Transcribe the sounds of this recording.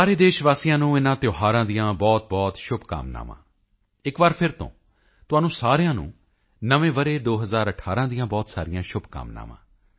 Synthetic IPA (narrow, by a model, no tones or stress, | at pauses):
saːɾeːd̪eːʃʋaːsijãːnũːɪnãːt̪joːɦaːɾãːd̪ijãːbɔːt̪̚bɔːt̪ʃʊbʱka̰ːmna̰ːmã̰ː | ɪkʋaːɾpʰɪɾt̪õ̰ː | t̪ʊaːnũːsaːɾjãːnṵ̃ː | nəʋẽːʋəɾeːd̪oːɦəzaːɾəʈʰaːɾãːd̪ijãːbɔːt̪saːɾɪjãːʃʊbʱka̰ːmna̰ːmã̰ː